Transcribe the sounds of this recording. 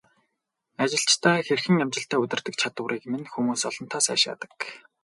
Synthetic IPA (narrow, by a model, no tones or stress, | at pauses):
at͡ɕɪ̆ɬt͡ɕt̪ʰæːxerxɘ̆ŋæmt͡ɕɪ̆ɬt̪æːɵt̪ɪ̆rt̪ɘ̆k̚t͡ɕʰat̪ə̆ɾiːkmĕnxumuːsɔɮɞ̆nt̪ʰaːsæ̰ːʃa̰ːt̪ə̥̆k